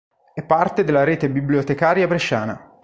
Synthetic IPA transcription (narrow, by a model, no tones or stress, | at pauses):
ɛpːart̪ed̪elːaɾeːt̪ebibljot̪ekaːɾjabɾeʃːaːna̰